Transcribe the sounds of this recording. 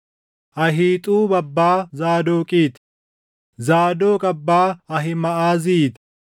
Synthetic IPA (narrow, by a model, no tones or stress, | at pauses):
ʔɐɦiːt̪ʼuːbɐbːaːzaːd̪oːkʼiːt̪ | zaːd̪oːkʼɐbːaːɐɦɪmɐʔaːziːt̪